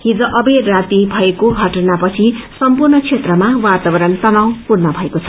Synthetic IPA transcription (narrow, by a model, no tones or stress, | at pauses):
ɦid͡zoʔʌberat̪ibʱʌekoɡʱʌʈʌnapʌt͡sʰisʌmpurnʌt͡sʰet̪rʌmawat̪abʌɾʌnt̪ʌnaw̃purnʌbʱʌekot͡sʰʌ̥